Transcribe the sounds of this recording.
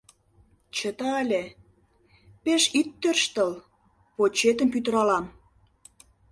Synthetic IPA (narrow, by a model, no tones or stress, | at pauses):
t͡ɕət̪ɑəlʲe | peʃit̪ːørʃt̪əl | pot͡ɕet̪əmpyt̪əɾɑlɑm